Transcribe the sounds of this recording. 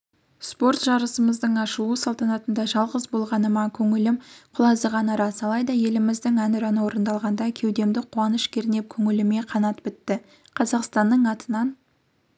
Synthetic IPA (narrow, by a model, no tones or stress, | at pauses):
spo̞rt̪ʒɑɾəsəməzd̪əɴɑʃuəsɑlˠt̪ɑnɑt̪ənd̪ɑʒɑlˠʁəzbo̞lˠʁɑnəmɑkʲʰɵŋɪlɪmqʰʊlˠɑzd̪əʁɑnɑɾɑsɑlˠɑjd̪ɑje̞lɪmɪzd̪ɪŋænʏɾɑnəwo̞ɾənd̪ɑlˠʁɑnd̪ɑkʲʰe̞wd̪e̞md̪ɪqʰuwɑnəʃkʲʰeɾɪne̞p̚kʲʰɵŋɪlɪme̞qʰɑnɑt̪pɪt̪ːɪ | qʰɑzɑqst̪ɑnd̪əɴɑt̪ənɑn